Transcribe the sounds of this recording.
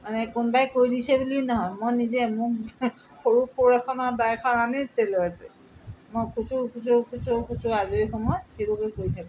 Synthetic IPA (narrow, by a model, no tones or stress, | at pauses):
manɛkʊnbajkojdisɛbulinɔɦɔjmɔjnizɛmʊk̚ | xoɹupʊɹɛkʰɔnɔɹdajkʰɔnaneselɔɛtɛ | mokʰusukʰusukʰusukʰusʊazuexɔmɔjxelokɛkoɹitʰakɔ